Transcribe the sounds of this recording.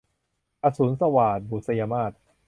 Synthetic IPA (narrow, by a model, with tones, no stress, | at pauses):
ʔa˧suː˨˩˦nsa˧waː˨˩t̪̚buː˨˩sa˧jaː˧maː˥˩t̪̚